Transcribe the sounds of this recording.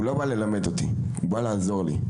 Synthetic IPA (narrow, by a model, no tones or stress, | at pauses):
ulabalɛlamɛtɔtḭ | ubalazɔlḭ